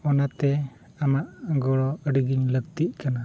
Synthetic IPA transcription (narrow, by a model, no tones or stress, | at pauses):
ɔnat̪ɛ | amaʔɡɔɽɔəɖiɡiɲləkt̪iʔ̚kana